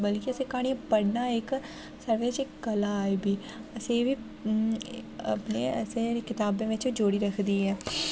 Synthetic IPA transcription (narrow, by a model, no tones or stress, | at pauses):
bəlkiəsẽːkaːɽ̃iãpəɽnaːɪk | səɾʋeːt͡ʃɪkɡəlaːibiː | əseːʋiː | ə̰pneːəsẽːkɪt̪aːbẽːʋɪt͡ʃid͡ʒoːɽiːɾəkʰd̪iːɦɛː